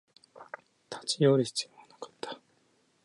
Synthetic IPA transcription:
t̪ʰḁt͡ɕijoɾʲiçi̥t͡sɨjoanakḁt̪ːḁ

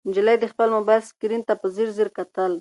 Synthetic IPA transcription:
nd͡ʒɪlajd̪əxpəlmʊbaskiɾint̪apəziɾziɾkat̪əl

